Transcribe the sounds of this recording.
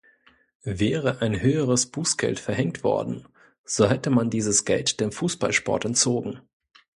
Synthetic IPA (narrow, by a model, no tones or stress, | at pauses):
vɛːʁəʔaɪnhøːəʁ̞əsb̥uːsɡ̥ɛ̰ltfɛɐɦɛŋtv̥ɔ̰ɐdn̩ | z̥oɦɛtəmandiːzəsɡ̥ɛltd̥eːmfuːsb̥a̰lʃpɔ̰ɐtɛnt͡soːɡŋ̩